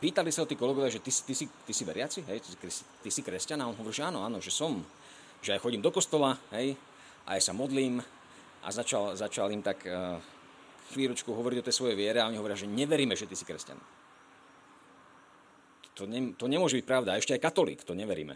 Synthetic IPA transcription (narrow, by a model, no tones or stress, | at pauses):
piːt̪alisaɔt̪iːkɔlɛɡɔʋjaʒɛt̪isi̥t̪isit̪isiʋɛɾɪat͡siɦɛjt̪sikɾɛst̪isikɾɛscanaɔnɦɔʋɔɾiːʒɛaːnɔaːnɔʒɛsɔm | ʒɛajxɔɟiːmd̪ɔkɔst̪ɔlaɦɛj | ʔa̰jasamɔd̪liːm | ʔa̰zat͡ʃalzat͡ʃalimt̪ak | xʋiːlɾɔt͡ʃkuɦɔʋɔɾiɟɔt̪ɛjsʋɔjɛjʋɪɛɾɛaɔɲiɦɔʋɔɾɪaʒɛɲɛʋɛɾiːmɛʒɛt̪isi̥kɾɛsca̰nɔ̰ | t̪ɔɲɛmt̪ɔɲɛmʊɔʒɛbic̚pɾaʊd̪aɛʃcɛajkat̪ɔlḭːkt̪ɔɲɛʋɛɾḭːmɛ̰